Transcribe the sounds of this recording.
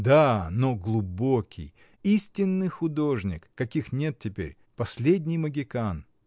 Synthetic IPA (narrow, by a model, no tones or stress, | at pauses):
d̪anoɡlˠʊbo̞kʲɪ̰j | isʲtʲɪnːɨjxʊd̪o̞ʐnʲɪ̰kːɐkʲixnʲe̞t̪̚tʲɪpʲḛɾʲ | pɐsʲlʲedʲnʲɪjməɡʲɪkan